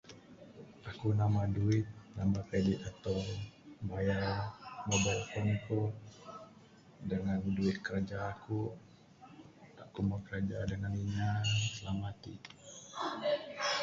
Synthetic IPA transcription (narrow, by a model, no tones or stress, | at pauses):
ʔakunamaduɪt̪̚namakɾedit̪at̪awbajamobajkɔnku | dəŋanduɪt̪̚kəɾad͡ʒaːku | akumakəɾad͡ʒadəŋaniɲasəlamat̪ḭ